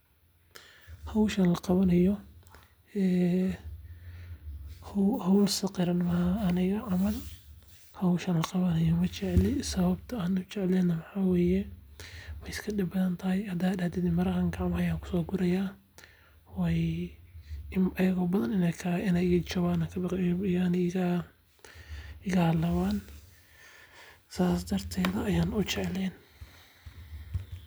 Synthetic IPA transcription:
hɐwʃɐnlɐqɑβɐnɐjɔ | ɛː | hhɐwlsɐqɪɾɐnmɐhaːnɪɣɐʕɑmɐl | hɐwʃɐnlɐqɑβɐnɐjɔmɐt͡ʃɛʕlɪsɐβɐbt̪ʰɐaːnʊʊt͡ʃɛʕɛlɛːnːɐwɑħaːwɛːjɛ | wɛjɪskʰɐdɪbɐðɐnt̪ʰɐhɪjhɐd̪aːdɐhd̪ɛd̪ɪmɐɾɐɦɐŋɡɑʕmɐjaːŋkʰʊ̥sɔːɡʊɾɐjaː | wɛj | ʔɐjɐɣɔːbɐðɐnɪnɛkʰɐɪnɛjɪɣɐt͡ʃɐβaːnɐkʰɐban | ɪɣɐhɐlɐβaːn | saːsd̪ɐrt̪ʰɛːðɐːjaːnʊt͡ʃɛʕlɛn

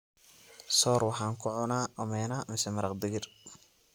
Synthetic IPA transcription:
sɔːrwɑħɑːŋkʰʊʕʊnaːʔɔmɛːnaːmɪsɛmɐɾɐqd̪ɪɣɪr

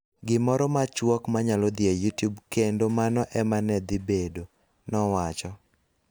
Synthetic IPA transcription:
ɡɪmɔɾɔmat͡ʃwɔkmaɲalɔd̪ɪɛjutjubkendomanɔʔɛmanɛd̪ɪbedo | nɔwat͡ʃɔ

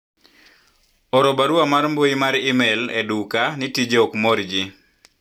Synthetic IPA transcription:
ɔɾɔbaɾuamaɾmboimaɾimɛledukanitid͡ʒeokmoɾd͡ʒi

